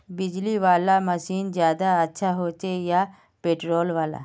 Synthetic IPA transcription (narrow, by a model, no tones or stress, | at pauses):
bɪd͡ʒliʋaːlaməʃiːnd͡ʒjaːd̪aətːʃʰaɦoːt͡ʃeja | peːʈɾoːlʋaːla̰